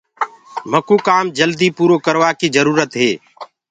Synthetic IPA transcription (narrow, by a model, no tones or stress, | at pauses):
məkuːkaːmd͡ʒəld̪iːpuːɾoːkəɾʋaːkiːd͡ʒəɾuːɾət̪ɦeː